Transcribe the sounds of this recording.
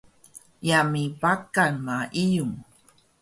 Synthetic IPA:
jamipakanmaʔijum

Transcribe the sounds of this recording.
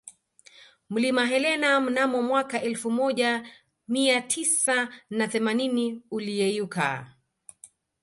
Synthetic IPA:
m̩limaɦɛlɛnam̩namɔmwakaʔɛlfumɔʄa | miatʰisanaθɛmaniniuliɛjuka̰

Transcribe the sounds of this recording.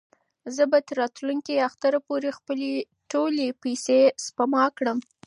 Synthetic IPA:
zəbat̪əɾːɑt̪luŋkiaxt̪aɾapoɾexpəle | ʈolepajsespamɑkɽəm

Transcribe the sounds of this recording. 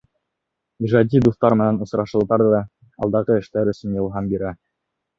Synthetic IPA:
iʒɑd̪ʲid̪uθt̪ɑɾmɘ̆nænŏsɾɑʃɤ̆lˠd̪ɑɾðɑ | ɑ̰lˠd̪ɑʁɤɘ̆ʃt̪æɾɵ̆sɘnjɤ̆lˠɦɑmbiɾæ

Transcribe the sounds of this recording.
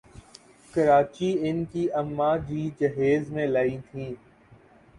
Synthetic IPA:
kəɾaːt͡ʃiɪnkiʔəmːaːd͡ʒiːd͡ʒɐɦeːzmẽlaːit̪ʰĩː

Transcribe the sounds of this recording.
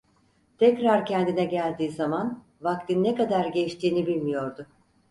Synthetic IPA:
t̪ʰɛcɾaɾcʰɛnd̪inɛɟælʲd̪iːzaman | vak̚t̪ʰinːekad̪aɾɟeʃt̪ʰiːnibilʲmijo̞ɾd̪ʊ

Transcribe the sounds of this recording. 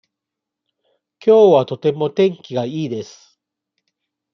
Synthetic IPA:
kʲo̞ːβat̪o̞t̪e̞mo̞t̪ẽ̞ŋkʲiɡaiːd̪e̞sɨ̥

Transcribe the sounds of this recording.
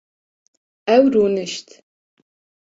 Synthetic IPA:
æwrunɨʃtʰ

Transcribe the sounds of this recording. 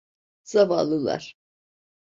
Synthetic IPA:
z̥ava̰ːlˠɯlˠa̰ɾ̥

